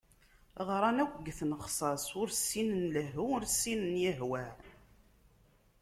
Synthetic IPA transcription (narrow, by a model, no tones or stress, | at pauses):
ʁɾˤɑnæwɡːθnəχsˤɑsʊɾsːinənləɦuʊɾsːinənjəɦwæ